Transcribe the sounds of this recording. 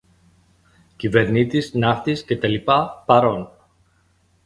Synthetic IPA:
cive̞ɾnit̪isnɐxt̪isce̞t̪ɐlipɐpɐɾo̞n

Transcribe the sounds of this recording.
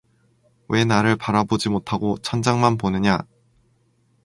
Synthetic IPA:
we̞naɾɯɭpaɾabod͡ʑimotʰaɡot͡ɕʰʌnd͡ʑaŋmanponɯɲa

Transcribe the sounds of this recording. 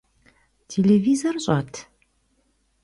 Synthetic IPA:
t̪ʰelevizɔrɕʼat̪ʰ

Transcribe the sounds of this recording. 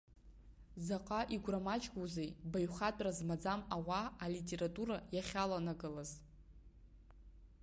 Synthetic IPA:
zaqʼaʔiɡʷramat͡ʃʼɡuzejbajχatʷʼrazmad͡zamawaːlitʲʼe̞ɾatʼuɾajaχʲalanaɡɨlaz

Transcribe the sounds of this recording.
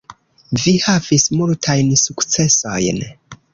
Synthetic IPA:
vihavismultʰajnsukt͡se̞so̰jn

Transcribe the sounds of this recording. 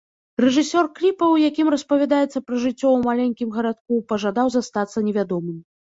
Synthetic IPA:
rɛʐɨsʲɔrklʲipɐwjakʲimrɐspɐvʲad̪ajɛt̪sːɐpɾɐʐɨt͡sʲːɔwmalʲɛnʲkʲimɣɐɾat̪̚kupɐʐad̪awzast̪at̪sːɐnʲɛvʲad̪ɔmɨm

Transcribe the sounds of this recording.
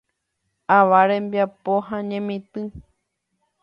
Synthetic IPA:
aʋaɾẽ̞mbjapoɦãɲẽmĩt̪ɨ

